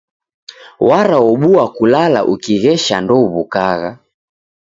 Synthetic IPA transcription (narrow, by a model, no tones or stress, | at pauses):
waɾawɔɓuakulala̰ʔukiɣɛʃandɔβukaɣa